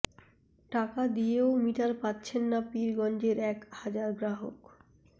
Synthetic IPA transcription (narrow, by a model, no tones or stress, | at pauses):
ʈakad̪ieomiʈalpatːɕʰenːapiɾɡɔnd͡ʑeɾɛkhad͡ʑaɾɡɾaɦo̰k